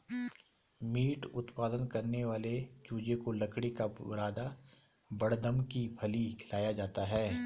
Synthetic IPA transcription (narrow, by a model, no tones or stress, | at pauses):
miːʈʊt̪paːd̪ənkɐɾneʋaːlet͡ʃuːd͡ʒekolɐkɽikabɐɾaːd̪a | bɐɽd̪əmkibʰʱɐlikʰɪlaːjad͡ʒaːt̪aɦɛː